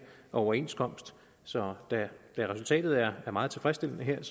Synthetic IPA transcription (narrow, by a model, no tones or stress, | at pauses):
ɒʊɐe̝̰nskʰɒ̽m̰sd̥ | sɒ̽d̥æd̥æʁɛsult͡sʰɛ̰ːd̥ð̩ˠæɐæɐmɑ̈ːð̩ˠt͡sʰe̝fʁɛsd̥e̝l̰ənəɦeɐ̰s